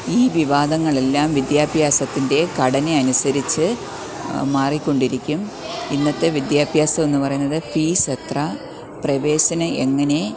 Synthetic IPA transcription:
iːʋiʋaːd̪ɐŋːɐɭe̞lːaːmʋid̪jaːbʱjaːsɐt̪ːinde̞kɐɽɐneɐnusɐɾit͡ɕːɨ | maːrikʲːo̞ɳɖiɾikʲːum | inːɐt̪ːe̞ʋid̪jaːbʱjaːsɐme̞nːupɐrɐjunːɐðɨpiːset̪rɐ | prɐʋe̞ːɕɐnɐʔeŋːɐne̞

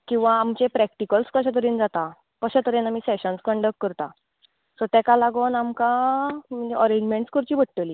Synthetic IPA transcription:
kĩw̃ʋaːmt͡ɕepɾɛk̚ʈikəlskəɕ̬at̪əɾiːnd͡zat̪a | kəɕat̪əɾinamiːseɕənskəɳɖəkːəɾt̪a | sət̪ɛkalaɡənamkãm̤ənd͡ʑeʔɔɾed͡ʑmẽɳʈskəɾt͡ɕiːbʱəʈ̚ʈːəliː

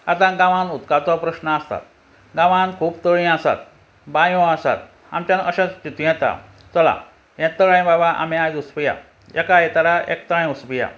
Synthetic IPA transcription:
at̪ãɡãʋãnut̪kat̪ɔpɾəɕnəast̪a̰t̪̚ | ɡãʋãnkʰuːpt̪əɭĩasa̰t̪̚ | bãjõasa̰t̪̚ | a̰mt͡ɕanəɕãt͡ɕit̪jɛ̃t̪a̰ | t͡səla̰ | jɛ̃t̪əɭãjbabaʔa̰mĩajd̪uspija̰ | jɛkajɛt̪aɾaʔḛk̚t̪əɭãjuspija̰

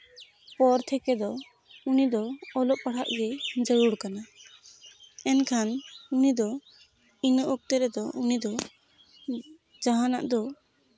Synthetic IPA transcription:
pɔɾt̪ʰɛkɛd̪ɔ | unid̪ɔːlɔʔpaɽ̤a̰ʔɡɛd͡ʒəɽuɽkana | ɛnkʰanunid̪ɔ | inɔʔɔk̚t̪ɛɾɛd̪ɔunid̪ɔ | d͡ʒaɦana̰ʔd̪ɔ

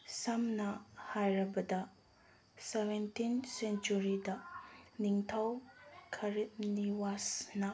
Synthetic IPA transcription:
sɐmnɐhajɾɐbɐdɐ | sebentinsent͡ʃuɾidɐniŋtʰawkʰɐɾit̚niwasnɐ

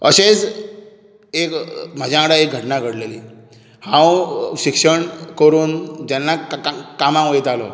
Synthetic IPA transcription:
əɕed͡z | ekm̤ad͡ʑʱjãəɽaek̚ɡʱəʈnaɡʱəɽleli | hãwɕikʂəɳkəɾuːnd͡ʑɛnːakamãʋjt̪alɔ̰

